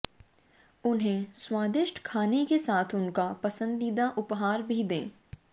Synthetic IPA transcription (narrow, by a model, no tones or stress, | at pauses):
ʊnɦẽswaːd̪ɪʃʈʰkʰaːnekesaːt̪ʰʊnkapɐsə̃nd̪id̪aʔʊpɦaːɾbʱid̪ḛ̃ː